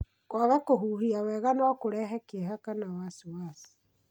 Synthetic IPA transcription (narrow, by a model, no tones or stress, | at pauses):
kwaβakoɦuːhiawɛːɣanɔkoɾɛɦɛkeɦakanawasiwaːsi̥